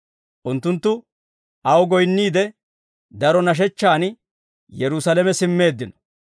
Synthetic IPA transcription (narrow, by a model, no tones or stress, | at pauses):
ʔʊnt̪ːʊnt̪ːʊ | ʔɐwɡɔjnːiːd̪ɛ | d̪ɐɾɔnɐʃ̬ɛt͡ʃːaːn | jɛɾʊsɐlɛmɛsɪmːe̞ːd̪ːɪnɔ̥